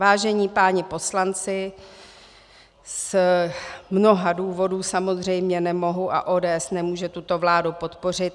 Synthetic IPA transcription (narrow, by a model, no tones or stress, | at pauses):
aːʒɛɲiːpaːɲɪpo̞slant͡sɪ | s | mno̞ɦaduːvo̞duːsamo̞zr̝ɛjmɲɛnɛmo̞ɦuʔa̰ʔoːdɛːʔɛsnɛmuːʒɛt̪ut̪o̞vlaːdupo̞t̪po̞r̝ɪt̪